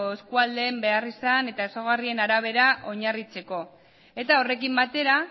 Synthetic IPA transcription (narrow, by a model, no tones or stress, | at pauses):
eskuald̪e̞ːmbe̞arisane̞t̪aesoɣ̞arie̞naɾaβ̞e̞ɾaʔo̞ɲarit͡se̞ko̞ | e̞t̪ao̞re̞kimbat̪e̞ɾa